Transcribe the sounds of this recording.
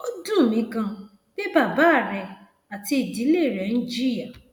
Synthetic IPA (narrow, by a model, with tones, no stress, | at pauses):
o˦dũ˦˨mĩ˨˧kã˧ | b̥e˦ba˦˨ba˨˦˨ɾɛ˧ | a˨ti˧i˨di˨˦le˦˨ɾɛ˨ñ̩˦d͡ʒi˦ɾi˦a˦˨